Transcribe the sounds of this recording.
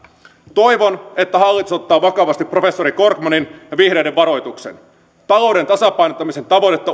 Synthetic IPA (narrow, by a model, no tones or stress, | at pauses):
t̪o̞jʋo̞ne̞t̪ːæɦɑlːit̪usot̪ːɑːʋɑkɑʋɑst̪ipːro̞fe̞sːo̞ɾiko̞rkmɑninjɑʋihɾe̞jde̞ʋʋɑɾo̞jt̪ukse̞̰n | t̪ɑlo̞wde̞nt̪ɑsɑpɑjnot̪ːɑmise̞nt̪ɑʋo̞t̪et̪ːɑ